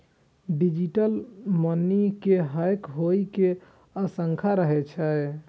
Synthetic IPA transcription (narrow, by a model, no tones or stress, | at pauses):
ɖid͡ʒiʈəlmənikeɦajkɦoike | əsəŋkʰaɾəɦɛt͡ʃʰɛ